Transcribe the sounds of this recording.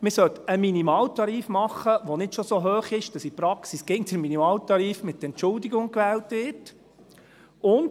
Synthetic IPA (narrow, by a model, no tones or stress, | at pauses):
mɪsœt̪ːəminimɑːltɑɾiːfmɑχːəʋonɪtʃosoɦøːχɪʃd̥ɑsipɾɑksisɡ̥ɪŋt͡sʊɾminimɑːltɑɾiːfmɪt̪ːəɛnt͡ʃʊldiɡʊŋkʋɛːltʋɪt | ʊnd